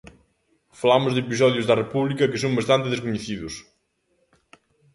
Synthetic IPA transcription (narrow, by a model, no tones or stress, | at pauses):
fɐlamʊzðepizɔðjuzðɐrepuβlikɐkɪsõw̃bɐst̪ãnt̪eðes̬kuɲeθiðus